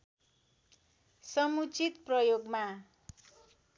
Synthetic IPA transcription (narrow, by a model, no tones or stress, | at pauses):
sʌmut͡sit̪prʌjoɡma